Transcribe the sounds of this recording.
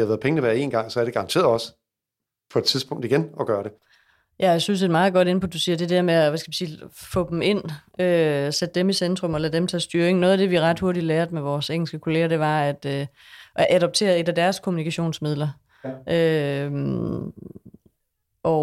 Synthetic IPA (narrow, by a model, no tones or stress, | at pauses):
hɑʋæːð̩ˠpeŋnəʋæɐe̝̰ːnɡ̥ɑ̈ŋsɒ̽æɐɾe̝ɡ̥ɑ̈ʁɑ̈nt͡sʰe̝̰ːɐɒ̽s | pʰɒ̽e̝d̥̚t͡sʰiðˠsb̥ɔ̽ŋ̰d̥iɡ̥enɒ̽ɡ̥ɶːɐɾe | jæjsynsed̥mɑ̈ːð̞̩ˠɡ̥ɒ̽ɾ̥e̝nəpʰɒ̽d̥usiːɐd̥e̝d̥eɐmeæʋæsɡ̥æʋisiːfɔ̽d̥em̩e̝n̰øsed̥ːemisend̥ʁɔ̽mɒlæd̥emt͡sʰɛ̰ːsd̥yɐeŋnɔ̽ːðˠæd̥e̝ʋiʁɑ̈d̥ho̝ɐɾid̥læːɐð̩ˠmeʋɒːseŋ̰l̩sɡ̥əkʰo̝le̝ːɐd̥e̝ʋɑ̈æd̥ø | ʔæʔæɾ̥ɒ̽b̥̚t͡sʰe̝̰ːɐðˠe̝d̥æd̥æɐskʰomunikʰæɕo̝̰ːnsmið̰ˠlɐ | ʔø | ʔɒ